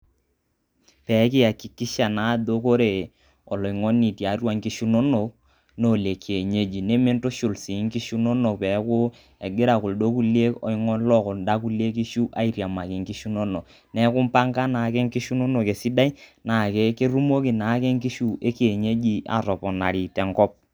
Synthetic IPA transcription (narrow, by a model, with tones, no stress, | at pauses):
pɛ˨˦kɪ˦a˨kɪ˨ki˦ʃa˨na˨˦do˦ko˦ɾe˨ | ɔ˨lɔ˨i˨ŋɔ˦nːi˨ti˨a˨ɾwa˨ŋki˦ʃu˦no˦no˨k | no˦˨le˨kʰe˨ɲe˦d͡ʒi˨ne˦me˦n˦to˦ʃu˨lsi˨˦ŋ˦ki˦ʃu˦no˦no˨pɛ˨˦kʊ˦ | ɛ˨ɡɪ˦ɾa˨kʊ˨ldo˦ku˦le˦kɔ̰˨i˦ŋɔ˦nlɔ˦kɔ˨nda˦ku˦le˦ki˦ʃu˦ʔa˦i˨ɾja˨ma˨kɪ˨ŋki˦ʃu˦no˦no˨ | nɛ˦kʊ˦m˦pa˦ŋka˦na˨kɛ˦ŋ˦ki˦ʃu˦no˦no˨ke˨si˦da˦i˦na˨kɛ˦ke˦ɾu˦mo˦ki˨na˨˦kɛ˦ŋ˦ki˦ʃu˦ʔe˦ke˨ɲe˦d͡ʒi˦a̰˨tɔ˨pɔ˨na̰˨ɾi˨tɛ˨ŋkɔ˦p̚